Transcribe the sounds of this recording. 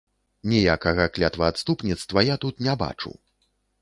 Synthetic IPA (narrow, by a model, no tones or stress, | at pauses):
nʲɛjakɐɣɐklʲat̪vɐːt̪st̪upnʲit̪st̪vɐjat̪ut̪nʲɛba̰t͡ʂṵw